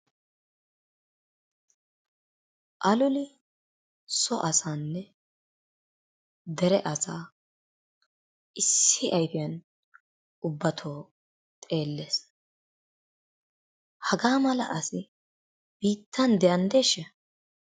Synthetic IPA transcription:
ʔɐlʊlɪ | sɔʔɐsaːnːɛ | d̪ɛɾɛʔɐsaː | ɪsːɪʔɐjfɪjɐn | ʊbːɐt̪ʰoː | t̪ʼe̞ːlːe̞ːs | hɐɡaːmɐlɐ̰ʔɐsɪ | b̥iːt̪ʰːɐnd̪ɛjɐnd̪eːʃːɛ

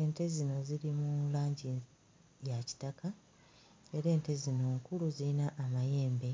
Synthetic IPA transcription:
eːnte̞zino̞ziɾimulaːɲɟi | jaci̥taka | eɾe̞ːnte̞zino̞ːŋkuluziinaʔːmaje̞ːmbe̞

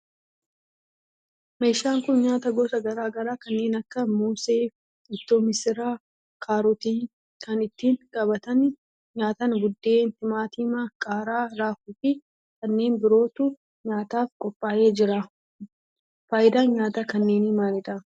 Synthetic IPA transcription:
me̞ːʃːaːŋkʊnɲaːt̪ɐɡɔsɐɡɐɾaːɡɐɾaːkɐnːe̞ːnɐkːɐmuːseːf | ɪt̪ːoːmɪsɪɾaː | kʰaːɾɔt̪iː | kʰɐnɪt̪ːiːnkʼɐbɐt̪ɐn | ɲaːt̪ɐnɡʊd̪ːe̞ːnt̪ɪmaːt̪iːmakʼaːɾaːɾaːfuːfɪ | kɐnːe̞ːnbɪɾo̞ːt̪ʊ | ɲaːt̪aːfkʼɔpʼːaːje̞ːd͡ʒɪɾa | faːjɪd̪aːnɲaːt̪akɐnːe̞ːnɪmaːnɪd̪ɐ

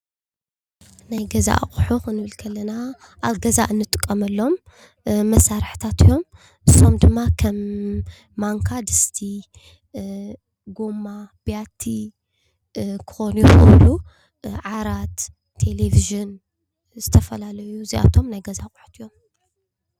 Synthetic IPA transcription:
najɡɐza̰ʔχʼħuxnɨβɨlkʰɐlːɐna | ʔaβɡɐzaʔɨnːɨt̪ʼɨkʼːɐmɐlːo̞mː | ɐsːaɾħt̪ʰat̪ʰijo̞m | ʔɨsːo̞md̪ɨmːakʰɐmː | aŋkʰad̪ɨst̪ʰi | ɡo̞mab̥ijat̪ʰi | kʰɨ̥xonujixɨ̰βlu | ʕaɾat̪ʰː | e̞leviʒɨn | zɨt̪ʰɐfɐlalɐjuziʔa̰t̪ʰo̞mnajɡɐzaχʼħu̥t̪jom

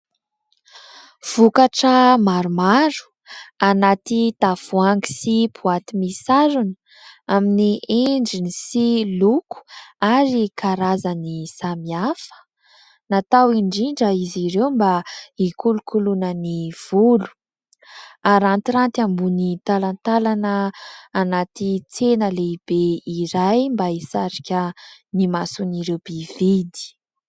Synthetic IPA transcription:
v̥ukaʈ͡ʂəmaɾumaɾu̥ | anat̪it̪afuaŋɡi̥sipʰuat̪imisaɾunə | aminieɳɖ͡ʐinisiluku̥aɾikʰaɾazənisamiafə̥ | nat̪awiɳɖ͡ʐiɳɖ͡ʐəiziɾewmbaikulukʰulunəniv̥ulu̥ | aɾant̪iɾant̪ambunit̪alant̪alanəːnat̪it͡senəleib̥eiɾajmbaisaɾikʲənimasuniɾewb̥ivid̪i̥

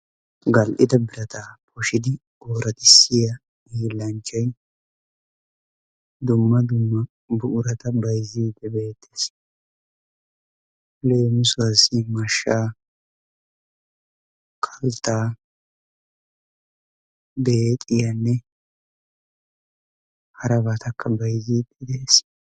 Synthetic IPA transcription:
ɡɐlʔɪd̪ɐbɪɾɐt̪aːpʰɔʃɪd̪ɪ | oːɾɐt̪ʼɪsːɪjɐ | iːlːɐnt͡ʃːɐj | d̪ʊmːɐd̪ʊmːɐ | bʊʔʊɾɐt̪ɐbɐjziːd̪ɛbe̞ːt̪ʰːe̥s | leːmʊsʊwɐsɪmɐʃːaː | kʼʰɐlt̪ːaː | bet̪ʼɪjɐnːɛ | hɐɾɐbɐt̪ʰɐkʰːɐbɐjziːd̪ɛd̪ɛes

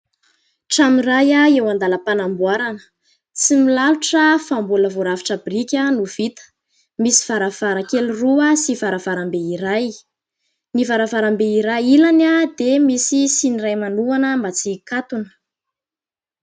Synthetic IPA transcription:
ʈ͡ʂamirajaewand̪aləpanambwaɾanə̥ | t͡similaluʈ͡ʂəfambuləvoɾavi̥ʈ͡ʂabrikʲənuv̥it̪ə̥ | misi̥v̥aɾav̥aɾakeliruəsivaɾavaɾambeiɾaj | nivaɾavaɾambeiɾajilanad̪emisisinirajmanuanəmbat͡sikat̪unə̥

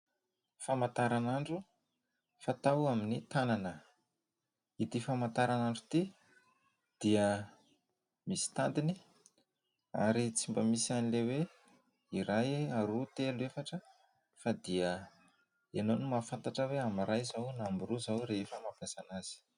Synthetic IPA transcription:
famat̪aɾanaɳɖ͡ʐu | fat̪awaminit̪ananə | it̪ifamant̪aɾanaɳɖ͡ʐu̥t̪i | d̪̥iə | misi̥t̪and̪ini | a̰ɾit͡simbəmisianilewe | iɾajaɾut̪eluefaʈ͡ʂə | fad̪iə | enonimafant̪aʈ͡ʂəweamiɾajzawnambuɾuzawɾefəmapjasanaz̥i̥

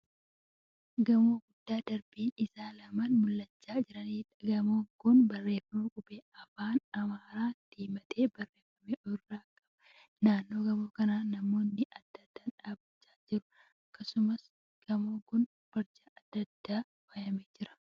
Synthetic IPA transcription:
ɡɐmoːɡʊd̪ːaːd̪ɐɾbiːnɪsaːlɐmaːnmʊlːɐt͡ʃːaːd͡ʒɪɾɐniːᶑɡɐmoːɡʊnbɐrːe̞ːfɐmɐkʼʊbeːɐfaːnɐmaːɾaːt̪iːmɐt̪ʰʼeːbɐrːe̞ːfɐmeːʔɔrːaːkʼːɐb̥ɐ̥ | naːnːo̞ːɡɐmo̞ːkɐnaːnɐmo̞ːnːɪʔɐd̪ːɐd̪ːaːᶑaːbɪt͡ʃːaːd͡ʒɪɾʊ̥ | ɐkːɐsʊmɐs | ɡ̥ɐmoːɡʊn | b̥ɐɾd͡ʒɐʔɐd̪ːɐd̪ːaː | bɐjɐmeːd͡ʒɪɾɐ̥

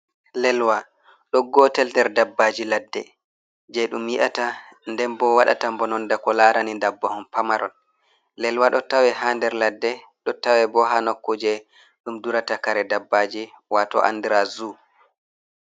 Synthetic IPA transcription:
lɛlwa | ɗɔɡɔtɛltɛɾdabːad͡ʒiladːɛ̰ | d͡ʒɛɗumwiʔata | ndɛnbɔwaɗa̰tambɔnɔndakɔlaːɾanindabːɔhɔnpamaɾɔn | lɛlwaɗɔtawɛɦandɛɾladːɛ | ɗɔtawɛbɔɦanɔkːud͡ʒɛ | ɗumduɾatakaɾɛdabːad͡ʒi | watɔ̰ʔa̰ndiɾazu

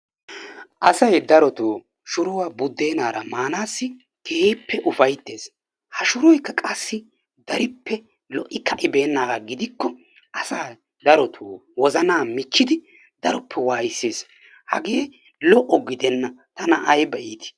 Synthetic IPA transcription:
ʔɐsɐjd̪ɐɾɔt̪oː | ʃʊɾʊwaːbʊd̪ːe̞ːnaːɾɐmaːnaːsːɪ | kʰeːpʰːɛʔʊfɐjt̪ːeːs | hɐʃʊɾɔjkːɐkʼɐsːɪ | d̪ɐɾɪpːɛ | lɔʔɪkʰɐʔɪbe̞ːnːaːɾɐɡɪd̪ɪkːɔ | ʔɐsaː | d̪ɐɾɔt̪ʰuːwɔzɐnaːmɪt͡ʃːɪd̪ɪ | d̪ɐɾɔpːɛwaːjɪsːeːs | hɐ̰ɡeː | lɔʔɔɡɪd̪ɛnːɐt̪ɐnɐʔɐjbɛʔiːt̪ɪ̥

